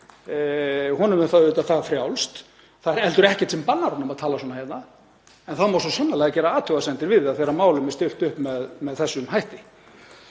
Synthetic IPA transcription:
hɔnʏmɛnfaðʏːt̪aθaːɣafɾjawlst̪ | θaðɛɾɛlt̪ʏɾɛhcɛ̥t̪sɛmpanːaɾɔnɔmaðt̪ʰaːlas̬wɔːnahɛjt̪na | ɛnθaðmawsɔsœnːalɛːɣacɛːɾaaːt̪ʰœwasɛnt̪ɪɾvɪðaðθɛɾːamaːwlʏmɛst̪ʏl̥t̪ʏhpmɛðmɛðθɛsːʏnɦajht̪ɪ

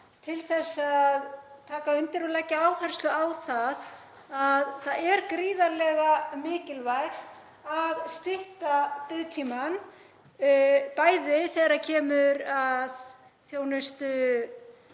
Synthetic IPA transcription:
t̪ʰɪlθɛsːað | t̪ʰaːkaʏnt̪ɪɾɔlacɪaːwhajɾ̥st̪ʏawθað | aðθaðɛɾkɾiːðaɾlɛɣamɪːcɪlvajɾ̥ | aðst̪ɪht̪apɪðt̪ʰiːman | paːjðɪθɛːɾacʰɛːmʏɾað | θjoːwnʏst̪ʏ

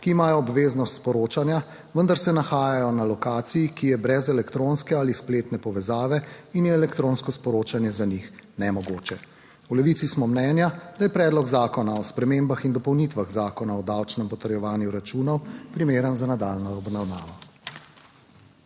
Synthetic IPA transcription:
kiːmaːjɔːbʋeːznɔst̪spɔɾoːt͡ʃanja | ʋənd̪aɾsɛnaxaːjajɔnalɔkaːt̪sijikijɛbɾɛzɛlɛkt̪ɾonskɛalispleːt̪nɛpɔʋɛzaːʋɛinjɛːlɛkt̪ɾonskɔspɔɾoːt͡ʃanjɛzanixnɛmɔɡoːt͡ʃɛ | ulɛʋit̪sismɔmnɛːnjad̪̥ajɛpɾɛːd̪lɔɡzaːkɔnaɔspɾɛmembaxind̪ɔpɔwnit̪ʋaɣzaːkɔnaɔd̪awt͡ʃnɛmpɔt̪əɾjɛʋaːnjuɾat͡ʃuːnɔwpɾimeːɾənzanad̪alnɔːbnawnaːʋɔ

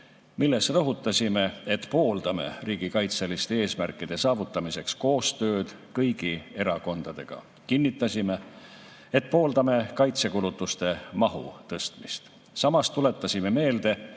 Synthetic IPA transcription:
milːesrɤɦut̪ːˑɑsʲime̞et̪po̞ːld̪̥ɑme̞̰riːɡ̥ikɑjt̪selist̪e̞e̞ːsmærkːˑid̪̥e̞sɑːvut̪ːˑɑmise̞ksko̞ːst̪ø̞ːd̪̥ | kɤjɡ̥ie̞ɾɑko̞nd̪̥ɑd̪̥e̞̰ɡ̥ɑ̰ | kinʲːit̪ːˑɑsʲime | et̪ːˑpo̞ːld̪ɑme̞kɑjt̪se̞kulut̪ːˑust̪e̞mɑɦṵt̪ɤ̞st̪mist̪ | sɑmɑst̪ːule̞t̪ːˑɑsʲime̞me̞ːld̪̥e̞

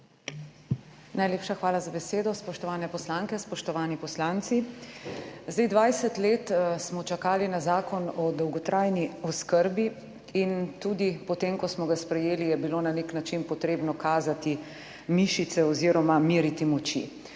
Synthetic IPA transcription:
najleːpʃaxʋaːlazabɛseːd̪ɔspɔʃt̪ɔʋaːnɛpɔslaːŋkɛspɔʃt̪ɔʋaːnipɔslant̪si | zd̪ajd̪ʋajsɛt̪leːt̪smɔt͡ʃakaːlinazaːkɔnɔd̪ɔwɡɔt̪ɾʔajniɔskəɾbi | int̪ud̪ipɔt̪emkɔsmɔɡaspɾɛjeːlijɛbiloːnaneknat͡ʃinpɔt̪ɾeːbnɔkaːzat̪i | miʃit̪sɛɔziɾɔmamiːɾit̪imɔt͡ʃḭ

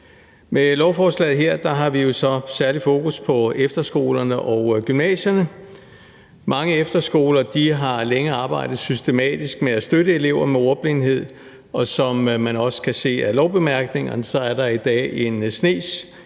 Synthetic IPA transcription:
melɒʊfɒːslɛ̰ːð̩ˠɦeɐ̰d̥ɑ̈ɦɑ̈ʋijo̝sɒ̽sæɐlifo̝ːkuspʰɒ̽efd̥ɐsɡ̥o̝̰ːlɐnəʔɒʊɡ̥ymnɛ̰ːɕɐnə | mɑ̈ŋəefd̥ɐsɡ̥o̝̰ːlɐd̥iɦɑ̈leŋəɑ̈ːb̥ɑ̈ɪ̰d̥ð̩ˠsysd̥e̝mɛ̰ːd̥isɡ̥meæsd̥øɾəe̝le̝ʊ̰ɐmeoɐb̥lenhe̝ð̞̰ˠ | ɒ̽sɒ̽mmænɒ̽sə̥kʰæse̝̰ːælɒʊb̥e̝mæɐɡ̥ne̝ŋɐnəsɒ̽æɐɾɑ̈id̥ɛ̰ːe̝nsne̝̰ːs

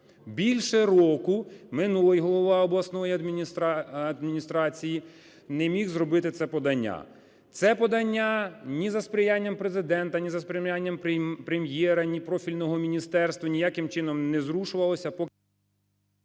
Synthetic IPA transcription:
bʲilʲʃɛɾɔkʊmɪnulˠɪjɦɔlˠɔʋɑɔblˠɐsnɔjiɐd̪mʲt̪ɐd̪mʲinʲist̪ɾɑt͡sʲiji | nɛmʲixzrɔbɪt̪ɪt̪sɛpɔd̪ɐnʲːa̰ | t̪sɛpɔd̪ɐnʲːanʲizɐspɾʲɪjanʲːɐmpɾezɪd̪ɛnt̪ɐnʲizɐspɾʲɪmʲjʲanʲːɐmpɾemjɛɾɐnʲipɾɔfʲilʲnɔɦɔmʲinʲist̪ɛrst̪ʋɐnʲijakɪmt͡ʃɪnɔmnɛzɾuʃʊʋɐlˠɔsʲɐpɔ

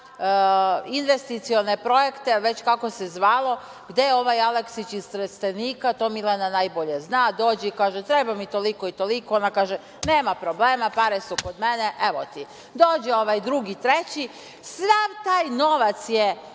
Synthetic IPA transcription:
inʋest̪it̪sio̞nepɾo̞jekt̪eʋe̞t͡ɕkako̞sezʋaːlo̞ | ɡd̪ejeo̞ʋajaleksit͡ɕist̪ɾest̪eniːkat̪o̞milˠananajbo̞ʎeznaːd̪o̞ːd͡ʑɛikaːʒɛt̪ɾebamit̪olikoit̪olikoonakaːʒɛ | neːmapɾobleːmapaɾesukod̪meneʔeʋot̪i | d̪oːd͡ʑɛoʋajd̪ɾuɡit̪ɾet͡ɕi | sʋaʋt̪aːjno̞ʋat̪sje

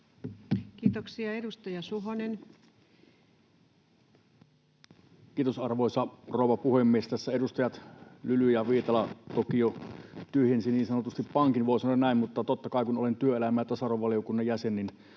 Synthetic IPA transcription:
kiːt̪oksiɑedust̪ɑjɑsuɦonen | kiːt̪osɑrʋoˑisɑroˑuwʋˑɑpuhemːiest̪æsːæedust̪ɑjɑt̪lylyjɑʋiːt̪ɑlɑt̪okijot̪yøhensiniːnsɑnot̪ust̪ippɑŋkinʋoˑisɑnoˑɑnnæˑimmut̪ːɑt̪ot̪ːɑkɑˑikunolent̪yøelæmˑæːæt̪ɑsɑroʋɑlijokunːɑjjæsenːin

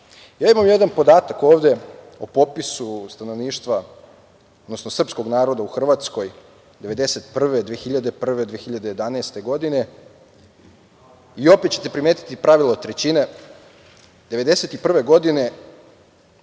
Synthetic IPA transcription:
jaːimamje̞d̪anpo̞d̪aːt̪ako̞ːʋd̪e̞ | opo̞pisust̪ano̞ʋniːʃt̪ʋa | d̪nosnosr̩psko̞ɡnaːɾo̞d̪auxr̩ʋat̪sko̞j | d̪e̞ʋe̞d̪e̞se̞t̪pr̩ʋe̞d̪ʋiexiʎad̪epr̩ʋe̞d̪ʋiexiʎad̪eje̞d̪anaːst̪e̞ɡo̞d̪ine̞ | io̞pet̪t͡ɕe̞t̪e̞pɾimeːt̪i̥t̪ipɾaʋilˠot̪ɾet͡ɕine | d̪e̞ʋe̞d̪ese̞t̪ipr̩ʋe̞ɡo̞d̪ine̞

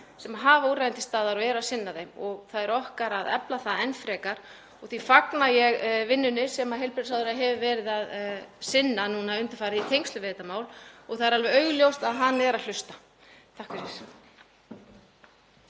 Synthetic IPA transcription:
sɛmaɦaːvauːɾrajɪnt̪ɪst̪aːðaɾɔɛɾʏaðsɪnːaðejmɔɣθaðɛɾɔhkaɾaðɛ̰plaθaðɛnfɾɛːkaɾ̥ | ɔɣθifaknajɛɣvɪnːʏnɪsɛmaɦejlpɾɪsawðʏɾaɦɛvʏvɛːɾɪðaðsɪnːanuːnaʏnt̪ʏ̥fajɾɪðit̪ʰejŋkst̪lʏvɛːt̪amaːwlɔɣθaðɛɾalvɛɾœːɥɣljowst̪aðɦanːɛɾaðl̥ʏst̪ḁ | t̪ʰahkvɪsɛs

